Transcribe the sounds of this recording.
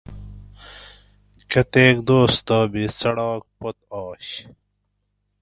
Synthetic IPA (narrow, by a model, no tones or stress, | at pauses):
kɐt̪eːkd̪oːst̪aːbisɐɽɑːk̚pɐt̪̚ɑːɕ